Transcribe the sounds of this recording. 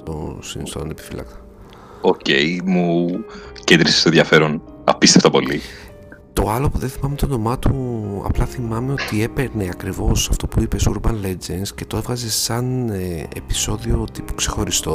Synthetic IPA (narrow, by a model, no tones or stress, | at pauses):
t̪o̰sinist̪one̞pi̥filɐ̰kt̪ɐ̥ | oce̞jmu | cend̪ɾise̥st̪onðjɐfe̞ɾon | ɐ̰piseft̪ɐpo̞li | t̪o̞ɐlo̞puðe̞nθimɐmet̪o̞no̞mɐt̪uɐ̰plɐθimɐme̞o̞t̪ie̞pe̞ɾneɐkɾivo̞sɐft̪o̞puipe̞suɾbɐnle̞d͡ʒensce̞t̪o̞e̞vɣɐze̞sɐnḛpi̥so̞ðio̞t̪ipu̥kse̞xo̞ɾist̪o̞